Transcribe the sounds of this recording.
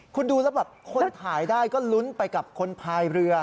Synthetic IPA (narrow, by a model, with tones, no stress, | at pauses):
kʰu˧nduː˧lɛː˧˦˥wbaː˨˩p̚kʰo˧˥nt̪ʰaː˩˦jdaː˥˩jkɔː˥˩lu˦˥npa˧jka˨˩p̚kʰo˧npʰaː˧jɾɯ˧ɐ